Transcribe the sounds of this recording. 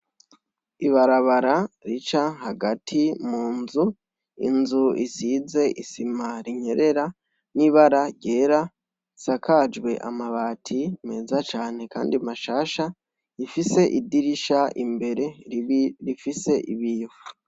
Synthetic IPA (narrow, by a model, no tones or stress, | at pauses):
iβaɾaβaɾaɾit͡ʃaɦaɡatʰimuːnzu | ḭnzuisize̞ʔisimaɾiɲe̞ɾe̞ɾa | niβaɾaɟe̞ːɾa | sakad͡ʒɡwe̞ʔa̰maβaːtʰime̞ːzat͡ʃaːne̞ka̰ːndiamaʃaːʃa | ifise̞ʔidiɾiʃaʔḭmbe̞ɾe̞ | ɾifise̞ʔḭβiju